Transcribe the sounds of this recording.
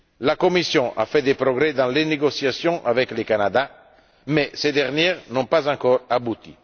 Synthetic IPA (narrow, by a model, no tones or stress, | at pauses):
lakɔmisjɔ̃ʔa̰fɛd̪epɾɔɡɾɛd̪ɑ̃leneɡɔsjasjɔ̃ʔavɛklekanad̪a | mɛsed̪ɛʁnjɛʁnɔ̃pazɑ̃kɔɾabut̪ḭ